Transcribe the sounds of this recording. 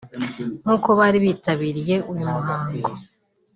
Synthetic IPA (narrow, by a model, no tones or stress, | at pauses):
n̥uːko̞βaːɾiβiːtaβiɾije̞ʔujumuɦaːŋɡo